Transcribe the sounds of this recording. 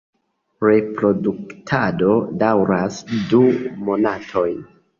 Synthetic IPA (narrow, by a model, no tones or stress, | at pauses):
ɾe̞pɾo̞duktʰado̞dawɾasdumo̞natʰo̞jn